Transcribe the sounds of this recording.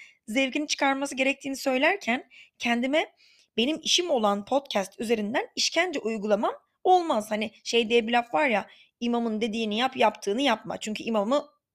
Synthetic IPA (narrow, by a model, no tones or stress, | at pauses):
zɛvɟinit͡ʃʰɯ̥kʰaɾmasɯɟe̞ɾɛc̚t̪ʰiːnisø̞jlʲæɾcʰæncʰɛnd̪imɛ | be̞nimiʃimo̞lˠanpʰo̞t̪cʰæst̪ʰyze̞ɾind̪æniʃcʰænd͡ʒɛʔujɡulˠamam | o̞lˠmaz̥hanɪʃejd̪ijɛbilʲafvaɾja | imamɯnd̪e̞d̪iːnijapjapt̪ʰɯːnɯjap̚ma̰t͡ʃʰyɲʲcʰyimamɯ